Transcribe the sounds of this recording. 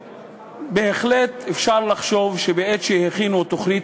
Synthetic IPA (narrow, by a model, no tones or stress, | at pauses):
beeχlet̪efʃaʁlaχʃo̞vʃebeet̪ʃeheχinut̪oχnit